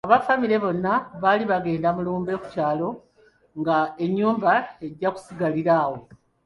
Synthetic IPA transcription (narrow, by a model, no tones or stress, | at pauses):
aβafamiɾe̞βo̞nːaβaliβaɡe̞ːndamuluːmbe̞ku̥caːlo̞ | ŋɡae̞ɲːuːmbae̞ɟːaku̥siɡaliɾaːwo̞